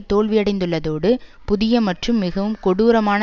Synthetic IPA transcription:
t̪oːɭʋɪɐɽɐɪnd̪ɯɭːɐðoːɽɯpʊðɪjɐmɐʈrɯmːɪɣɐʋɯmkɔɽuːɾɐmaːn

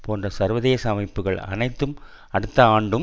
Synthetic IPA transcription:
poːndrɐsɐɾʋɐðeːsɐmɐɪpːɯɣɐɭɐ̰nɐɪt̪ːɯm | ɐɽɯt̪ːɐaːɳɖɯ

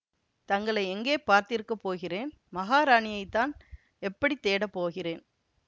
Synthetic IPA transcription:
t̪ɐŋɡɐɭɐɪɛŋɡeːpaːɾt̪ɪɾɯkːɐpːoːɣɪreːn | mɐɣaːɾaːɳɪjɐɪt̪ːaːn | ɛpːɐɽit̪ːeːɽɐpːoːɣɪreːn

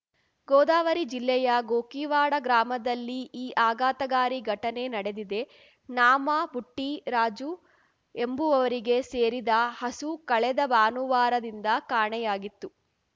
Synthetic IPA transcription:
ɡoːd̪aːʋɐɾid͡ʒilːɛjɐɡoːkiːʋaːɽɐɡɾaːmɐd̪ɐlːiiːʔaːɡaːt̪ɐɡaːɾiɡʱɐʈɐne̞nɐɽe̞d̪id̪e̞ | naːmɐbuʈːiɾaːd͡ʒu | e̞mbuɐʋɐɾiɡe̞seːɾid̪ɐhɐsukɐɭɛd̪ɐbaːnuʋaːɾɐd̪ind̪ɐkaːɳɛjaːɡit̪ːu

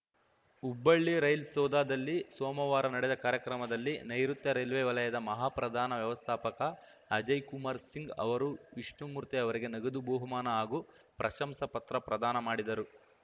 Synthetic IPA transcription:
ubːɐɭːiɾɐjlsɔːd̪aːd̪ɐlːisɔːmɐʋaːɾɐnɐɽɛd̪ɐkaːɾjɐkɾɐmɐd̪ɐlːinɐjɾut̪jɐɾɐjlʋeːʋɐlɐjɐd̪ɐmɐɦaːpɾɐd̪ʱaːnɐʋjɐʋɐst̪ʰaːpɐkɐ | ɐd͡ʒɐjkumaːɾsiŋɡɐ̰ʋɐɾuʋiʂɳumuːɾt̪iɐʋɐɾiɡe̞nɐɡɐd̪uboːɦumaːnɐaːɡu | pɾʔɐʃɐmsɐpɐt̪ɾɐpɾɐd̪aːnɐmaːɽid̪ɐɾu

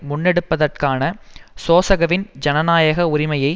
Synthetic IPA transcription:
mʊnːɛɽɯpːɐðɐrkaːnɐsoːsɐɣɐʋɪnd͡ʒɐnɐnaːjɐɣɐʊɾɪmɐjɐɪ

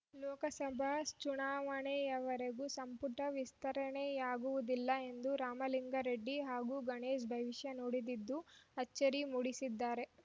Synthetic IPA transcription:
lɔːkɐsɐbʱast͡ʃuɳaːʋɐɳejɐʋɐɾeɡusɐmpuʈ̪ɐʋist̪ɐɾɐɳejaːɡuʋud̪ilːɐe̞nd̪uɾaːmɐliŋɡɐɾeɖːiɦaːɡuɡɐɳeːʃ̬bʱɐʋiʂjɐnoːɽid̪id̪ːuɐt͡ʃːɐɾimuɽisid̪ːaːɾe̞

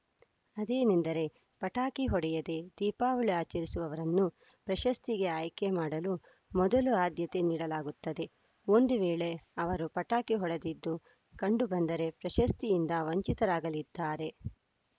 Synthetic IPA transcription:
ɐd̪eːnind̪ɐɾe̞ | pɐʈaːkiɦɔɽɛjɐd̪e̞d̪̥iːpaːʋuɭiaːt͡ʃɐɾisuʋɐʋɐɾɐnːu | pɾɐʃɐst̪iɡe̞aːjkemaːɽɐlu | mɔd̪ɐluaːd̪jɐt̪e̞niːɽɐlaːɡut̪ːɐd̪e̞ | o̞nd̪uʋeːɭe̞ɐʋɐɾupɐʈaːkiɦɔɽɐd̪id̪ːu | kɐɳɖubɐnd̪ɐɾe̞pɾɐʃɐst̪ijind̪ɐʋɐɲt͡ʃit̪ɐɾaːɡɐlid̪ːaːɾe̞

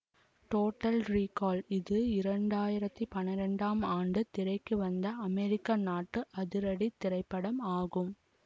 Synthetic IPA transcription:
ʈoːʈːɐlriːkaːlɪðɯɪɾɐɳɖaːjɪɾɐt̪ːipɐnɪɾɐɳɖaːmaːɳɖɯt̪ɪɾɐɪkːɯʋɐnd̪ɐːmɛɾɪkːanaːʈːɯʔɐðɪɾɐɽit̪ːɪɾɐɪpːɐɽɐmaːɣɯm

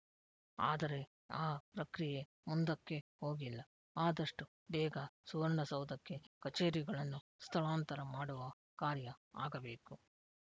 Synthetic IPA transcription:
a̰ːd̪ɐɾe̞ | aːpɾɐkɾije | mund̪ɐkːe̞ho̞ːɡilːɐ | aːd̪ɐʂʈu | bɛːɡasuʋɐɾɐɳɐsɐʋud̪ɐkːe̞kɐt͡ʃeːɾiɡɐɭɐnːu | st̪ʰɐɭaːnt̪ɐɾɐmaːɽuʋɐ | kaːɾjɐaːɡɐbe̞ːku

